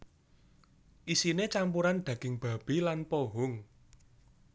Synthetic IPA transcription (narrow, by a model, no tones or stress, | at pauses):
ʔisinet͡ʃampuɾand̪̥ä̤ɡ̥ɪ̤ŋb̥a̤b̥ilanpoɦʊŋ